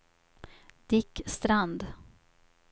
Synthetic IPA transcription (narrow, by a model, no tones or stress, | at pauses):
d̪̥ɪkːst̪ɾand̪